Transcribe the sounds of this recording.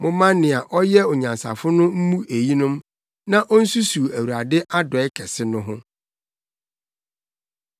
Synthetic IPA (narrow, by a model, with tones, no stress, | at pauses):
mʊ̃˦mã˦nɪ̃˨a˨ʔɔ˦jɛ˦ɔ˨ɲã˨nsa̰˨fʊ˦nʊ̃˦m̩˦mũ˦ʔe˨ji˦nʊ̃˦m | nã˦ʔɔ˦n̩˦su˦su˨æ˨wu˨ɾa˨dɪ˦ʔa˦dɔ˨ɛ˦kʰɛ˨sɪ˦nʊ̃˦ɦʊ̃˦